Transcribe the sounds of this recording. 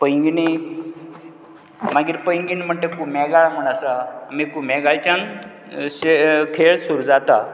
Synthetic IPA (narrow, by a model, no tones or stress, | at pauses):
pəjŋɡini | maɡiːɾpəjiŋɡinim̤əɳʈ̪ekumɛɡaɭam̤əɳ̃asamikumɛɡaɭt͡ɕãn | sekʰeɭsuɾud͡zat̪a